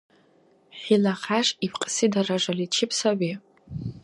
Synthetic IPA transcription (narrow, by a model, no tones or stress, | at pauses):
χʲilaχaʂipʰqʼsidaraʐalit͡ʃʰɪpʼʰsaʕi